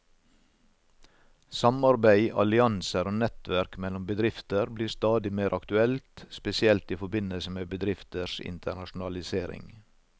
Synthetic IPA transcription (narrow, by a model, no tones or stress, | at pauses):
sɑmɑɾbæɪʔɑ̰lɪɑnsəɾoːnɛt̪ʋæɾkmɛlɔmbəd̪ɾɪft̪əɾbliːɾst̪ɑːd̪ɪmeːɾʔɑkt̪ʉɛlt̪spɛsɪɛlt̪iːfɔbɪnəlsəmeːbəd̪ɾɪft̪əʃɪ̰nt̪ʰəɳɑʃʊn̩ɑlɪseːɾɪ̰ŋ